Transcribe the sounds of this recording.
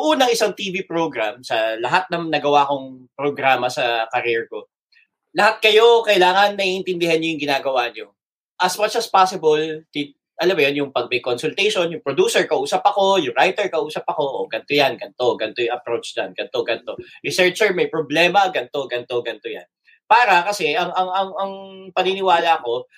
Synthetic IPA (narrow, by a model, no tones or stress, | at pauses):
ʊŋʔuːnɐŋɪsaŋt̪iːvipɾoɡɾamsɐlɐɦat̪̚nɐŋnɐɡɐwaʔkoŋpɾoɡɾaːmɐsɐkɐɾɛɹko | lɐhat̪̚kɐjo̞kɐʔɪlaːŋɐnːɐʔiʔɪnt̪ɪnd̪ɪhanɲojʊŋɡɪnaːɡɐwaɲo | ʔɐsmat͡ʃɐspasɪbolt̪ɪ | ʔɐlɐbɐjanjʊŋpɐɡ̚mɪkonsʊlt̪ɛjʃonjʊŋpɾod̪uːsɛɹkɐʔuːsɐpɐko̞jʊŋɾajt̪ɛɹkɐʔuːsɐpɐko̞ʔoɡɐnt̪ojanɡɐnt̪o̞ɡɐnt̪ojŋʔɐpɾowt͡ʃdɐnɡ̥ɐnt̪o̞ɡɐnt̪o̞ɹɪsɛɹt͡ʃɛɹmɐjpɾoblɛːmɐɡɐnt̪o̞ɡɐnt̪o̞ɡɐnt̪oja̰n | paːɾɐkɐsɛʔɐŋɐŋɐŋɐŋpɐninɪwaːlɐɐko̞